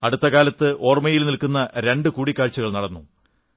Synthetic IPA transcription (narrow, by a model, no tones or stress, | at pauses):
ɐɽut̪ːɐkaːlɐt̪ːɨʔo̞ːrmɐjilnilkunːɐɾe̞ɳɖɨkuːɽikːaːɻt͡ɕːuɣɐɭnɐɽɐnːu